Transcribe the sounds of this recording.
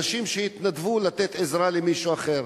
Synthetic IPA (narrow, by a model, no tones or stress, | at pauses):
ʃimʃeit̪nad̪vulat̪et̪ezɾalemiʃuaχe̞ɾ